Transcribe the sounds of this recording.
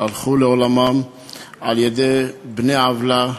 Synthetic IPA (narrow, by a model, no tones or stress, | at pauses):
alχuleolamam | aljed̪ejbneavla